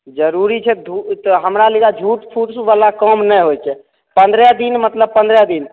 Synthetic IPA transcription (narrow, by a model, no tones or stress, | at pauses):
d͡ʒəɾuɾit͡ʃʰɛd̪ʱut̪ɔɦəmɾaliɡad͡ʒʱuʈpʰuʈsbalakəmnɛɦojt͡ʃʰɛ | pənd̪ɾɛd̪inmət̪ləb̚pə̃nd̪ɾɛd̪in